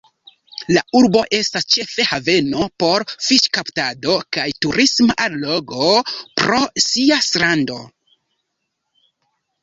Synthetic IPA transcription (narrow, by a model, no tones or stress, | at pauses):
lauɾbo̞ʔe̞stast͡ʃe̞fe̞have̞no̞po̞ɾfiʃkaptado̞kajtuɾismaʔanlo̞ɡopɾo̞siasɾando̞